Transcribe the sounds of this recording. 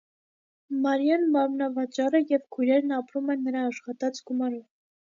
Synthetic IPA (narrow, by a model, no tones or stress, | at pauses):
mɑɾjɑnmɑɾmnɑvɑt͡ʃɑrəjɛvkʰujɾɛɾnɑpɾumɛnːəɾɑːʃχɑt̪ɑt͡sɡumɑɾɔv